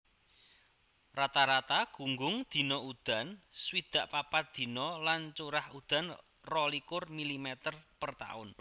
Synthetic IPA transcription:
rat̪aɾat̪aɡ̥ṳŋɡʊŋd̪̥i̤nɔud̪̥a̤nswid̪̥a̤ʔpapat̪̚d̪̥i̤nɔlant͡ʃuɾahud̪̥a̤n | rɔlikʊrmilimɛt̪ərpərt̪a̰ʊ̰n

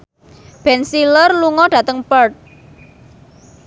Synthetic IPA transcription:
b̥ɛnsilərluŋɔɖ̥ä̤t̪əŋpərt̪̚

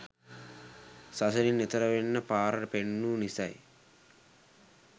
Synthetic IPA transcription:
sɐsɐɾinːet̪ɐɾɐʋenːɐpaːɾɐɾpeɳːunisa̰j

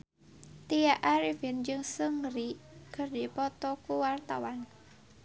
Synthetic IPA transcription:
t̪ijaʔaɾivind͡ʒɨŋsəŋɾikɨrdipɔt̪ɔkuwart̪a̰wan

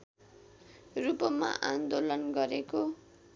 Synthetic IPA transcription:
rupʌma̰ʔand̪olʌnɡʌɾeko

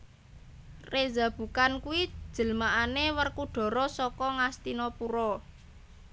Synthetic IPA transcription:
reza̤b̥ṳkankuwi̥ʒ̥ə̤lmaʔanewərkuɖ̥ɔ̤ɾɔsɔkɔŋast̪inɔpuɾɔ

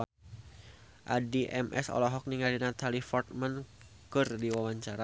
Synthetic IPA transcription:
ʔa̰diʔɛmʔɛ̰sɔ̰lɔɦɔk̚niŋadinat̪ʰalifɔrt̪̚man | kɨrdiwawaɲt͡ʃaɾa

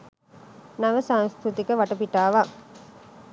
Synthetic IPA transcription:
nɐʋəsaːŋskɾut̪ikəʋɐʈɐpiʈːaːʋa

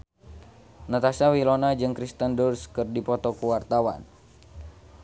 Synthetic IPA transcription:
nət̪asawilɔnad͡ʒɨŋkɾist̪əndurskɨrdipɔt̪ɔkuwart̪awa̰n

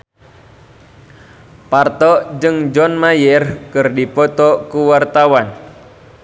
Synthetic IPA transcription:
part̪ɔd͡ʒɨŋd͡ʒɔnmajərkɨrdipɔt̪ɔkuwart̪awan

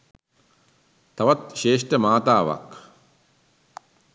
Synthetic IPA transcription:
t̪ɐʋɐt̪̚ʃeːʂʈəmaːt̪aːʋa̰k

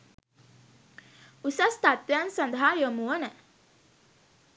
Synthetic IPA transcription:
usast̪at̪ʋjansɐnd̪əɦajomuwənə

